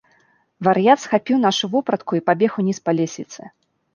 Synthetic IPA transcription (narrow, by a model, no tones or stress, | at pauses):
vɐɾjat̪sxapʲiwn̪aʂuvɔpɾɐt̪kuipabʲɛxunʲispalʲesʲlʲit̪sɨ